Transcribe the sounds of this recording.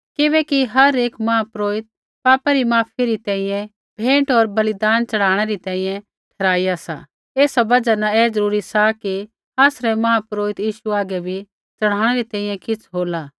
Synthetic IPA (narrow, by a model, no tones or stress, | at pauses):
kɪβɛːkiɦɐɾeːkmɐɦapɾoːɪt̪̚ | paːpaɾimaːpʰiɾit̪ɛ̃ːĩjɛ̃ | bʱẽːʈɔːɾbɐlɪd̪aːnt͡ʃɐɽ̤aːɽ̃ɛɾit̪ɛ̃ːĩjɛ̃ | ʈʰɛɾaːijasa̰ | eːsabɐd͡ʒanaɛːzɐɾuːɾisaki | aːsɾɛmɐɦapɾoːɪt̪jiːʃuaːɡɛbʱi | t͡ʃɐɽ̤̃aːɽ̃ɛɾit̪ɛ̃ːĩjɛ̃kɪt͡sʰɦoːlaː